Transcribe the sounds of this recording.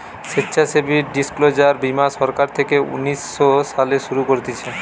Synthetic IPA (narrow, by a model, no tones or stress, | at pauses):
ʃetːɕʰasebʱiɾɖisklod͡ʑaɾbimaʃɔɾkaɾt̪ʰekeṵnisːoʃaleʃuɾukoɾt̪it͡ɕʰe